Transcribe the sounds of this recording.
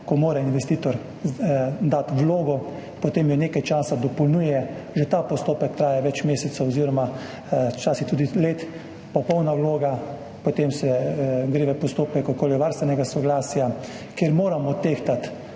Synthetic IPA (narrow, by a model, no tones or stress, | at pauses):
kɔmoːɾainʋɛst̪iːt̪ɔɾ | d̪at̪wloːɡɔ | pɔt̪eːmjɔneːkajt͡ʃaːsad̪ɔpɔlnuːjɛ | ʒɛt̪aːpɔst̪oːpɛkt̪ɾaːjɛʋɛt͡ʃmeːsɛt̪sɐwɔziɾɔma | t͡ʃaːsit̪uːd̪ileːt̪ | pɔpɔwnawloːɡa | pɔt̪emsɛɡɾeːʋɛpɔst̪oːpɛkɔkoːliʋaɾst̪ʋɛnɛɡasɔɡlaːsja | keɾmoːɾamɔt̪eːxt̪at̪